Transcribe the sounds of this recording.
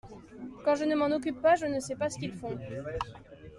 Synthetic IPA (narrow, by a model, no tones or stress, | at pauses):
kɑ̃ʒənəmɑ̃nɔk̬ʲypːaʒənəsɛpasə̥kʲilfɔ̃